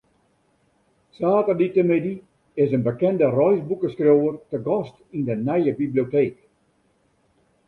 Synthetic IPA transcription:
saːtərditəmɪdi | ɪsənbəkɛndərɔjzbukəskrowərtəɡɔstindənɛjəbiblijoteːk

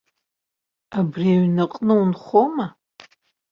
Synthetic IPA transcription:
abriaɥnɨqʼnɨunχoma

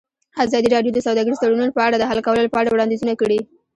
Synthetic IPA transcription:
azɑd̪iɾɑɖjod̪əsawd̪ɑɡəɾizt̪aɽununpəaɽad̪əɦalkawəlolopəaɽawɽɑnd̪izunakəɽi

